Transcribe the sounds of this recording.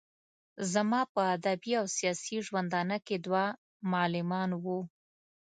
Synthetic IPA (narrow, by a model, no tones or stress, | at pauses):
zamɑpəad̪abiawsijɑsiʒwand̪ɑnəked̪wa | mʊɑlɪmɑnwu